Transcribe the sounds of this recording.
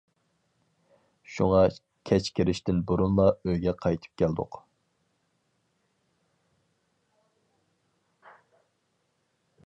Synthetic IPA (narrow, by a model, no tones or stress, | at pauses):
ʃṵŋɑ | kʲʰɛt͡ʃkʲʰɪɾɪʃt̪ɪnbuɾunlˠɑøjɡʲɛqʰɑjt̪ʰɨ̥p̚kʲʰɛld̪ʊ̰q